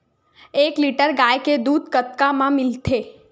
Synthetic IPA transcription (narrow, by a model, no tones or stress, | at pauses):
ekliʈəɾɡajked̪ud̪̚ʱkət̪̚kamãmɪlt̪ʰe